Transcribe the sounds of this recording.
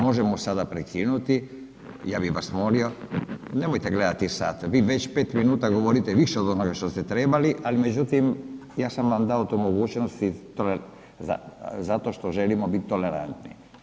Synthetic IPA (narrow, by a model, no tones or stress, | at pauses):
moʒɛmɔsad̪apɾɛkʰinut̪i | jabiʋasmolionɛmojt̪ɛɡlɛd̪at̪isa̰t̪ʋiʋɛt͡ʃpet̪minuːt̪aɡoʋoɾit̪ɛʋiʃɛod̪onoɡaʃt̪ost̪ɛt̪ɾɛbaliʔalimɛd͡ʑut̪imjaːsamvamd̪aot̪ɔmoɡut͡ʃnost̪it̪olɛ | za̰zat̪oʃt̪oʒɛlimɔbit̪ːolɛɾa̰nt̪nḭ